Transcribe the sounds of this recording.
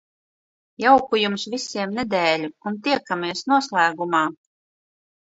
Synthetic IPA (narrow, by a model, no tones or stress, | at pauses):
jawkujumsvisʲiɛmnɛd̪ɛːlʲuunt̪iɛkamiɛsnuɔslˠæːɡumaː